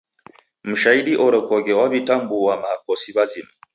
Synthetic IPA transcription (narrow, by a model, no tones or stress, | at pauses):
m̩ʃaiɗiʔɔɾɔkɔɡɛwaβitambuwamaːkɔsiβazima